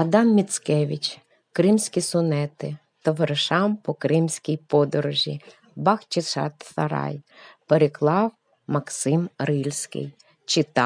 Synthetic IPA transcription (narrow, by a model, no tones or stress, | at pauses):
ɐd̪ɑmːʲit̪sʲkɛʋʲit͡ʃ | kɾɪmsʲkʲisʊnɛt̪ɪ | t̪ɔʋeɾʃɑmpɔkɾɪmsʲkʲijpɔd̪ɔɾɔʒʲḭ | bɑxt͡ʃɪʃɑ̰t̪sɐ̰ɾɑ̰jpeɾeklˠɑw | mɐksɪmɾɪlʲsʲkɪ̰j | t͡ʃɪt̪ɑ